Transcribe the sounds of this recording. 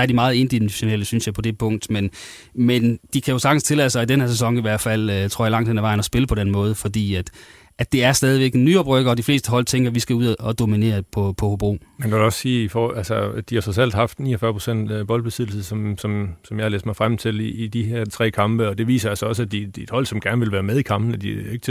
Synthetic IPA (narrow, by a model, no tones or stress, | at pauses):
æɐdimɑ̈ːð̞̩ˠe̝nd̥iɕo̝neləsynsjɑ̈ɪpʰɒ̽d̥e̝pʰɔ̽ŋ̰d̥men | mend̥ikʰæjo̝sɑ̈ɡ̥n̩st͡sʰe̝lɛðˠəsɑ̈ɪidenheɐses̬ɒ̽ŋiʋæɐ̰d̥fæl̰t͡sʰoɐ̰jɐlɑ̈ŋ̰d̥enæʋɑ̈ɪnɒsb̥e̝ləpʰɒ̽ɾ̥enmɔ̽ːð̞ˠəfɒ̽d̥ḭːæd̥ | æ̥d̥e̝æɐsd̥ɛːð̞ˠiʋeɡ̥nːyːɒb̥ʁœɡ̥ɐɒ̽d̥ifle̝ːsd̥əɦɒ̽l̰t͡sʰeŋɡ̥ɐʋisɡ̥æuð̰ˠɒd̥o̝mine̝̰ːɐpʰɒ̽pʰɒ̽hob̥o̝̰ːmendoduɒ̽sːiːifælsəd̥ihɑ̈sɒs̬el̰d̥ɦɑ̈fd̥nḭːɒfɶɐpʰʁo̥sen̰d̥b̥ɒ̽ld̥̚b̥e̝sið̰ˠl̩səsɒ̽msɒ̽msɒ̽mjɑ̈hɑ̈lḛːsd̥mɑɪfʁam̰t͡sʰe̝liːd̥iɦeɐt͡sʰʁɛ̰ːkʰɑ̈mb̥əɒ̽d̥e̝ʋḭːsɐælsɐɒ̽sæd̥i̥id̥hɒ̽l̰sɒ̽mɡ̥æɐnəʋelʋæːɐmeðˠikʰɑ̈mb̥n̩æd̥ie̝ɡ̥ə̥